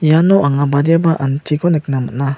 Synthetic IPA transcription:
janɔʔaŋabad̪ebaʔantʰikʰonɯk̚namɯ̰tna

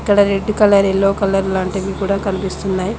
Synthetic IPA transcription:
ikːɐɽɐɾeɖːukɐlɐɾelːoːkɐlːɐɾlaːɳʈɐɡikuːɽaːkɐnipist̪unːaːji

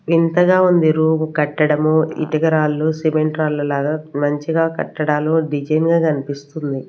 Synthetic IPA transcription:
ʋint̪ɐɡaːund̪iɾuːmkɐʈːɐɽɐmuḭt̪iɡɐɾaːlːusimeɳʈɾaːlːɐlaːɡaːmɐɲt͡ʃiɡaːkɐ̰ʈːɐɽaːloɖid͡ʒɐjnɡaːkɐnipist̪und̪i

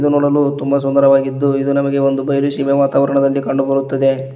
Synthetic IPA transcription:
d̪unuːɽɐlut̪umbɐs̬und̪ɐɾɐʋaːɡid̪ːuid̪unɐmɐɡe̞o̞nd̪ubɐjɐluʃiʋeʋaːt̪aːʋɐɾɐɳɐd̪ɐlːikɐɳɖubɐɾut̪ːɐd̪e̞

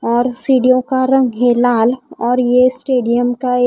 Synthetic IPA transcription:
ɔːɾsiːɖijõkaɾɐ̃ŋɡɦelaːlɔːɾjesʈeːɖijəmka

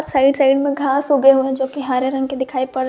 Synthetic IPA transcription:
saːɪɖsaːɪɖmẽɡʱaːsʊɡeɦuẽd͡ʑoːkiɦaːɾeɾɐ̃ŋɡkʰed̪ekʰaːipɐɽ

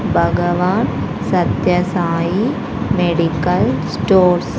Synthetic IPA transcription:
bʱɐɡɐʋaːn | sɐt̪jɐsaːji | meɽikɐlsʈoːɾs

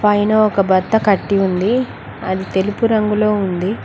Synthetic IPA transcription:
pʰɐjnɐɔkɐbɐd̪ːɐkɐʈːiund̪i | ɐ̰d̪it̪e̞lupuɾɐŋɡuloːund̪i

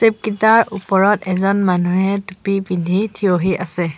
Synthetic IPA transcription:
sep̚kitaɹʔupɔɹɔtɛzɔnmanuɦɛtupipindʱitʰioɦiʔasɛ

